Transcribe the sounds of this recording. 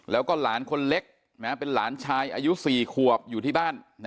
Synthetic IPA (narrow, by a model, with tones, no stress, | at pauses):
lɛː˦˥wkɔː˥˩laː˩˦nkʰo˧nle˦˥k̚ | na˦˥pe˧nlaː˩˦nt͡ɕʰaː˧jʔaː˧ju˦˥siː˨˩kʰu˨˩əp̚juː˨t̪ʰiː˥˩baː˥˩nː˦